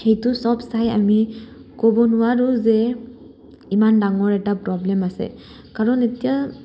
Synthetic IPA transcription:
xejtʊsɔbsaja̰mikobɔnʊwaɹʊzɛ | imandaŋɔɹɛtapɹɔblɛmasɛ̰ | kaɹɔnetija

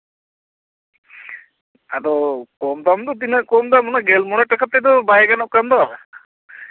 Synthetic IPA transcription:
ad̪ɔkɔmd̪amt̪ɔt̪̬inaʔkɔmd̪amɔnaɡɛlmɔnaʈːakʰat̪ːɛd̪ɔbajaɡanɔʔkamd̪ɔa

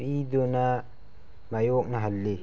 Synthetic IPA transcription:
id̪una | majok̚naɦɐlːi

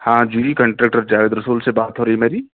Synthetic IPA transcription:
hãːd͡ʒuikə̃ɳʈɾek̚ʈəɾd͡ʒaːʋeːd̪ɾəsuːlsebaːt̪ɦoːɾɐɦimeːɾiː

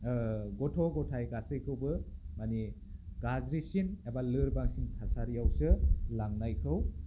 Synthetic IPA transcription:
ɡɔtʰɔɡɔtʰajɡasɯjkʰɯwbɯmani | ɡazɾisinebalɯɾbaŋsinkʰasaɾijawsɯlaŋnajkʰɯw

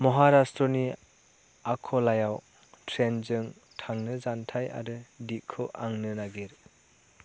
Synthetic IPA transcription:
mɔɦaɾastɾɔni | akʰɔlajaw | tʰɾenzɯŋ | tʰaŋnɯzantʰaja̰ɾɯdikʰɯʔaŋnɯnaɡiɾ

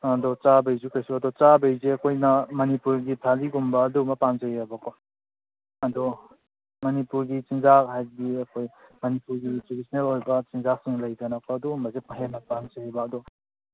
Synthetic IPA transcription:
ɐdɔt͡ʃabejzukʰajsuɐdɔt͡ʃabejzeɐkʰojnɐmɐnipuɾɡitʰaliɡumbɐːdumɐpanzajabɐkʰo | ɐdɔ | mɐnipuɾɡit͡ʃiŋzaɦajdiɐkʰojmɐnipuɾɡitɾudisnelojbɐt͡ʃiŋzak̚siŋlɐjdɐnakʰɔɐdumbɐzet̚mɐɦemɐpanzajbɐːdɔ

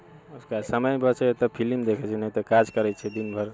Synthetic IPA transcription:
uskasəməjbʱəɾt͡ʃʰɛt̪əpʰilimd̪ekʰɛt͡ʃʰɛnət̪ɔkad͡ʒkəɾɛt͡ʃʰɛd̪inbʱəɾ

